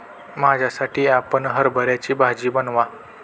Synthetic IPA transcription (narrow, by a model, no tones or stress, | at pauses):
mad͡ʑʱjasaʈʰiːapəɳɦəɾbʱəɾjat͡ɕiːbʱad͡ʑiːbənʋa